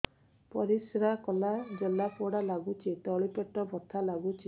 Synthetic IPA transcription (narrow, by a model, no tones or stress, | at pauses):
pɔɾisɾakɔlad͡ʒelapoɽalaɡut͡ʃʰit̪ɔɭipeʈɔbʱɔt̪ʰalaɡut͡ʃʰi